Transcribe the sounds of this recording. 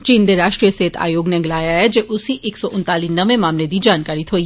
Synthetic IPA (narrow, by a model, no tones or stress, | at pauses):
t͡ʃiːnd̪eɾaːʃʈɾijəseːt̪ʰa̰ːjoːɡnẽɡɪlaːjaɦɛd͡ʒeːʔʊsiʔɪksɔʔʊnt̪aːlinɐʋẽmaːmled̪id͡ʒaːnkaːɾɪt̪ɦoːi